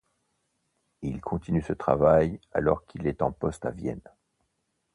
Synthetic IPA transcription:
ilkʰɔ̃t̪inysət̪χavaja̰lɔʁkʰilɛt̪ɑ̃pɔst̪avjɛ̰n

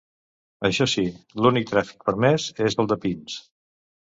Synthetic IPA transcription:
əʃɔsilunik̚t̪ɾɛfi̥k̚pəɾmɛzezəlˠd̪əpins

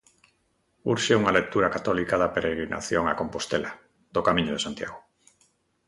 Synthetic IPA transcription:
uɾʃeuŋalek̚t̪uɾakat̪ɔlikaðapeɾeɣɾina̰θjoŋa̰kõmpost̪ela | ðokamĩɲoð̞esant̪ja̰ɣo

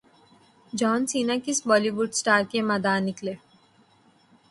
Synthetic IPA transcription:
d͡ʒɔːnsiːnakisbɔːliʋuɖsʈaːɾkemɐd̪aːnikle

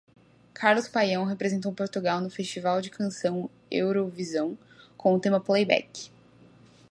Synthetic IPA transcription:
kʰaɾlʊspajɐ̃w̃ɦepɾezẽnt̪̬owpoɾt̪uɡawnʊfest͡ʃivawd͡ʒɪkʰɐ̃sɐ̃w̃ | ḛwɾovizɐ̃w̃ | kʰõʊt̪ẽmɐplejbɛ̰k

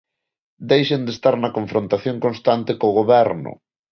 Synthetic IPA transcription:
d̪ejʃend̪est̪aɾnɐkoɱfɾõnt̪aθjoŋkonst̪ant̪ɪkoɣoβɛɾnʊ̰

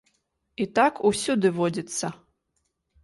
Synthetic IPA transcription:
it̪akusʲud̪ɨvɔd͡zʲit̪sːɐ

